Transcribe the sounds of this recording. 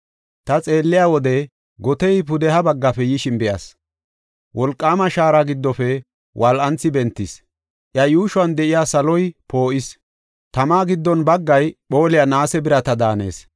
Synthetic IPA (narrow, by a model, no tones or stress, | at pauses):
t̪ɐt͡sʼe̞ːlːɪjaːwɔd̪ɛ | ɡɔt̪ɛjpʊd̪ɛɦɐbɐɡːɐfɛjɪʃɪnbɪja̰s | wʔɔlkʼːaːmɐʃaːɾaɡɪd̪ːɔfɛ | wʔɐlʔɐnt͡sːɪbɛnt̪ːɪs | ʔjɐjuːʃʊɐnd̪ɛʔɪjaːsɐlɔjpo̞ːʔɪs | t̪ɐmaːɡɪd̪ːɔnbɐɡːɐjɓo̞ːlɪjanaːsɛbɪɾɐt̪ɐd̪aːnḛːs